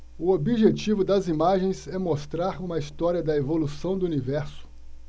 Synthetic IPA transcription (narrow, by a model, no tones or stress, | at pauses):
ʊobiʒet͡ʃivʊd̪ɐzimaʒẽj̃zɛmost̪ɾaɾũmɐist̪ɔɾiɐd̪ɐevolusɐ̃w̃d̪ʊunivɛɾsʊ̥